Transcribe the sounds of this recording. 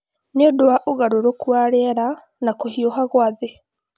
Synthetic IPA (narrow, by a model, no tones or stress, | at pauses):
nedoaʔoɣaɾoɾokwaɾeɾa | nakohioɦaɣwaðe